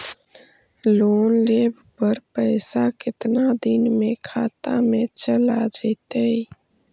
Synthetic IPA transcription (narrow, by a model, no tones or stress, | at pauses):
lonlebʱpəɾpəɪsakɪt̪nad̪inmekʰat̪amet͡ʃəlad͡ʒəɪt̪əj